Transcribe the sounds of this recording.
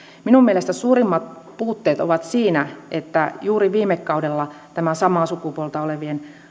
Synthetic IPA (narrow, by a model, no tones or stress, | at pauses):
minummielest̪æsuːrimːɑt̪̚ | puːt̪ːeːt̪o̰ʋɑt̪siːnæʔet̪ːæjuːɾiʋiːmekːɑudelːɑt̪æmæsɑmˑɑːsukupuolt̪ɑoleʋien